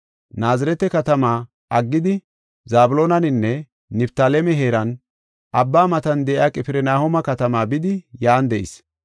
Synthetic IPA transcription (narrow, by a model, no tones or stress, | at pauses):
naːzɪɾɛt̪ɛkɐt̪ɐmaː | ɐɡːɪd̪ɪ | zaːbʊloːnɐnɪnːɛ | nɪbt̪aːlɛmɛɦe̞ːɾɐn | ʔɐbːaːmɐt̪ɐnd̪ɛʔjaːkʼɪpɪɾɛnaːhɔmɐkɐt̪ɐmaːbɪd̪ɪjaːnd̪ɛʔɪ̰s